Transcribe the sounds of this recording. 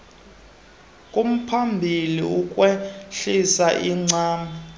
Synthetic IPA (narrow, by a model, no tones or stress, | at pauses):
kʼum̩pʰambʱiliukʼwɛɬisaʔiŋ͡ǀaːma